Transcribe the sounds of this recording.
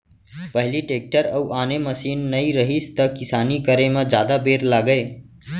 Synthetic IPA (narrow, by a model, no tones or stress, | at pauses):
pəɦliʈek̚ʈəɾəuʔaneməsiːnːəiɾəɦist̪əkisaːnikəɾemad͡ʒaːd̪abeɾlaːɡəe